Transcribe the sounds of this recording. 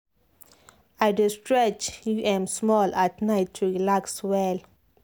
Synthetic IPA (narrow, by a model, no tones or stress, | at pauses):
ajdistɹɛt͡ʃjuʔɛ̃msmɔlatnaɪtʰːuɹilakswɛl